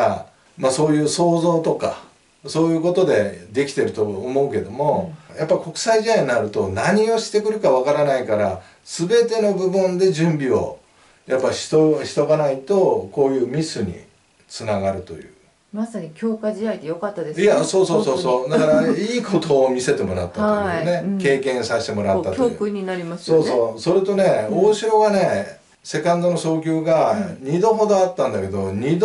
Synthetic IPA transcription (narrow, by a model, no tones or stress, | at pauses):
a | maso̞ːjɯ̟ːso̞ːzo̞ːt̪o̞ka̰ | so̞ːjɯ̟ːko̞t̪o̞d̪e̞d̪e̞kʲi̥t̪e̞ɾɯ̟t̪o̞ːmo̞ɯ̟ke̞d̪o̞mo̞japːaiko̞kɯ̟̥saiʑid̪aiɲinaɾɯ̟t̪o̞naɲ̟io̞ɕi̥t̪e̞kɯ̟ɾɯ̟kaβ̞akaɾanaikaɾa | sɨbe̞t̪e̞no̞bɯ̟bɯ̃nd̪e̞ʑɨ̃mbʲio̞̰ | japːaɕi̥t̪oɕi̥t̪o̞ɡanait̪o̞ko̞ːjɯ̟ːmʲisɨɲ̟ḭ | t͡sɨnaɡaɾɯ̟t̪o̞̰jɯ̟̰ː | masaɲ̟ikʲo̞ːkad͡ʑiaid̪ejokat̪ːad̪esijasoːsoːsoːsoːd̪akaɾaiːko̞t̪o̞ːmʲise̞t̪e̞mo̞ɾa̰t̪ːat̪ːne̞ke̞ːkẽ̞ɰ̃saɕi̥t̪e̞mo̞ɾaːat̪oɯkɯɲ̟inaɾʲimasɨso̞ːsoːso̞ɾet̪o̞ne̞o̞ːɕiɾo̞ɡane̞ | se̞kãnd̪o̞no̞so̞ːk̬ʲoːɡaɲ̟id̪o̞ɦo̞d̪o̞at̪ːãnd̪ake̞d̪oɲ̟id̪